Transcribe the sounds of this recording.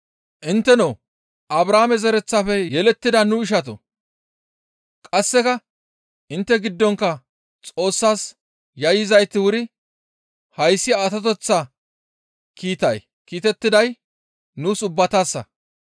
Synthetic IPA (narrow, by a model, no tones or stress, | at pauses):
ʔɪnt̪ːɛnoː | ʔɐbɾaːmɛzɛɾɛt͡sːafɛjɛlɛt̪ːɪd̪ɐnʊɪʃ̬ɐt̪̬ʊ̰ | kʼɐsːɛkɐ | ʔɪnt̪ːɛɡɪd̪ːɔŋkːɐ | t͡sʼo̞ːsːaːs | jɐjɪzɐjt̪ːɪwʊɾɪ | hɐjsːɪaːt̪ɐt̪̬ɔt͡sːɐ | kiːt̪ɐj | kiːt̪ɛt̪ːɪd̪ɐj | nuːsʊbːɐt̪aːsːɐ̰